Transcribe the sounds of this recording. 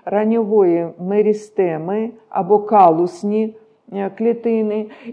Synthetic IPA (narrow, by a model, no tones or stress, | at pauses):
ɾɐnʲɪvojɛmɛɾʲɪst̪ɛmɨ | a̰bɔkalˠʊsʲnʲi | klʲɪt̪ɪnɨ